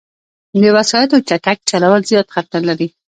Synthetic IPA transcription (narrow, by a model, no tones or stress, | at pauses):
d̪əwasɑjat̪ot͡ʃaʈak̚t͡ʃalawəlzjɑt̪xat̪naɾlaɾi